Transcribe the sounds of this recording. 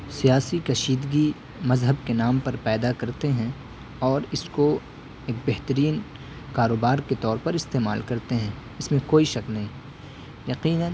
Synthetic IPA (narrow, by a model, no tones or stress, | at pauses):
sijaːsikɐʃiːd̪ɡi | mɐzɦəbkenaːmpɐɾpɛːd̪akɐɾt̪eɦɛ̃ | ɔːɾɪsko | eːk̚bɛɦt̪əɾiːn | kaːɾoːbaːɾket̪ɔːɾpɐɾɪst̪eːmaːlkɐɾt̪eɦɛ̃ː | ɪsmẽkoːiʃɐknɐɦĩː | jɐqiːnə̃n